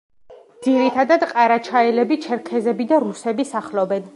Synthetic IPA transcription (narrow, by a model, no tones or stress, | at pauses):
dd̪ziɾit̪ʰad̪ad̪qʼaɾat͡ʃʰaɛlɛbit͡ʃʰɛɾkʰɛzɛbid̪aɾusɛbisaχlɔbɛn